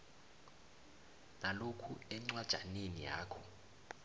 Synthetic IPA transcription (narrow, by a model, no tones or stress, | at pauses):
nalokʰuɛŋ͡ǀwad̥ʒ̥ʱanenija̰ːkʰɔ̥